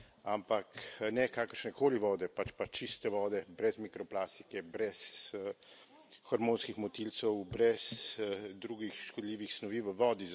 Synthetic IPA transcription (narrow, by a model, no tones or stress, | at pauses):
ampaknɛkaːkəɾʃnɛkoːliʋɔːd̪ɛpat͡ʃpat͡ʃist̪ɛʋɔːd̪ɛbɾɛzmikɾɔplaːst̪i̥kɛbɾɛs | xɐɾmõːnskixmɔt̪ilt̪sɛwbɾɛsd̪ɾuːɡixʃkɔd̪liːʋixsnɔʋiːʋəʋɔːd̪i